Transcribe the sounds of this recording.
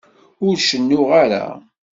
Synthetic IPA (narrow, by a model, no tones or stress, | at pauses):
ʊɾʃənːʊʁaɾa̰